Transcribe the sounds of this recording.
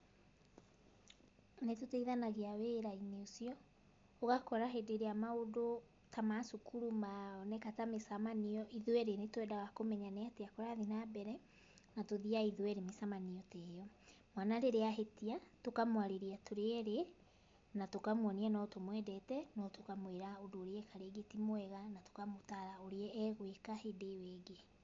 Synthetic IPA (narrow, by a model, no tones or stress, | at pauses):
netoteiðanaɣeaweːɾaineosiɔ | oɣakɔɾaɦedeɾeamaodo | tʰamasukuɾumaɔnɛkatamesamaniɔʔiðwɛɾenetwɛdawakomɛɲaneateakoɾaðinabɛɾɛ | natoðiaiðwɛɾemesamaniɔtɛjɔ | mwanaɾeɾeaɦetiatokamowaɾeɾiatoɾeɛɾe | natokamwɔnianɔtomwɛdɛtɛnɔtokamweɾaodoːɾeɛkaɾeɡetimoɛɣanato̥kamotaɾaoɾeɛːɣwekahedeweɡe